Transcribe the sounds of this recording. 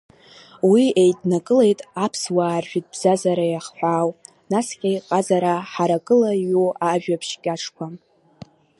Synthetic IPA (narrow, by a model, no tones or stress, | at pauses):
wiejdnakʼɨle̞jtʼapʰswaːrʒᶣit̚ʼbz̥azaɾajaχħʷᶣaːw | nasqʲʼejqʼazaɾaħaɾakʼɨlajuaʒᶣapʰʃkʲʼaʈ͡ʂʰkʷʰa